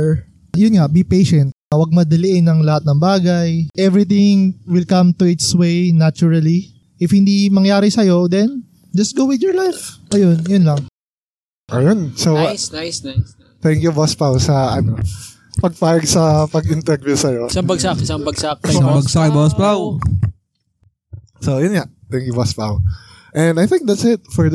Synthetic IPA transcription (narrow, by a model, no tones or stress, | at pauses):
jʊnŋɐʔbipejʃɛnt̪̚ɐwɐɡ̚mɐd̪ɐlɪʔɪnːɐŋlɐhat̪̚nɐŋbaːɡɐjʔɛvɹɪθɪŋwɪlkɐmt̪uɪt̪swejnat͡ʃʊɹɐli | ʔɪfhɪ̃nd̪imɐŋjaːɾɪsɐjo̞d̪ɛn | d͡ʒɐst̪̚ɡowɪd̪jɔɹlajfʔɐjonjonlɐŋ | ʔɐjonsows | t̪ɛŋkjubɔspawsɐʔɐno | pɐɡ̚paːjɐɡsɐpɐɡɪnt̪ɛɡ̚vusɐjosɐŋbɐɡsakɪsɐŋbɐɡsak̚sɐŋbɐɡsakbɔspaw | sojʊnŋa | t̪ɛŋkjubɔspa̰w | ʔɛ̃nd̪ɐjθɪ̃ŋk̚d̪at̪sɪt̪̚fɔɹ